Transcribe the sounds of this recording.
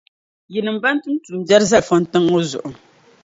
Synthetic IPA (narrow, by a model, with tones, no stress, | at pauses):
ji˨nɨ˨m˦ba˦n̩˦tu˦n˦tu˨m˨bja˦ɾza˦fɔ˦n̩˦tɨ˦ŋo˦zʊ̰˨ʔʊ˨